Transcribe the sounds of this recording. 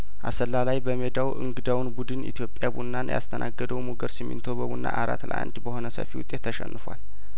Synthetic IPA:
ʔa̰səlːalajbəmed̪awʔɨ̰ŋɡɨd̪awnbud̪ɨnit̪ʰjo̞pʼːjabunːanja̰st̪ʰənʔaɡːəd̪əwmuɡəɾsɨmːḭnt̪ʰobəbunːa̰ʔaɾa̰t̪lə̰ʔa̰nd̪bəho̞nəsə̰fiwʊt̪ʼet̪ʰːəʃɛ̰nːɨfwal

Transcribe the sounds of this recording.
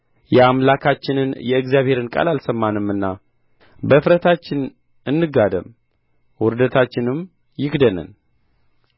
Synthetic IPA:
jɛamlakʰat͡ʃːɪnɨnjɛɨɡzjaβhe̞ɾɨnkʼa̰lalsəmːanɨmːɨnːa | bəfɾət̪ʰat͡ʃːɪn | ɨnːɨɡad̪əm | wʊɾd̪ət̪ʰat͡ʃːɪnɨm | jɪkd̪ənə̰n

